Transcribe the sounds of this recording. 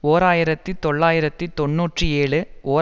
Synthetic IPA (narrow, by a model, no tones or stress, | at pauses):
oːɾaːjɪɾɐt̪ːit̪ɔɭːaːjɪɾɐt̪ːit̪ɔɳːuːʈrɯeːɭɯoː